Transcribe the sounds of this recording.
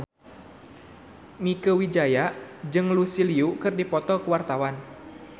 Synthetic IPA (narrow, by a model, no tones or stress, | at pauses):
mikəwid͡ʒajad͡ʒɨŋlusiliukɨrdipɔt̪ɔkəwart̪awan